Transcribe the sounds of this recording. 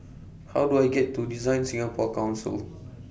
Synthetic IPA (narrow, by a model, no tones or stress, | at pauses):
hawduajɡɛtːudizãj̃nsĩŋəpʰɔkãw̃nsə̰l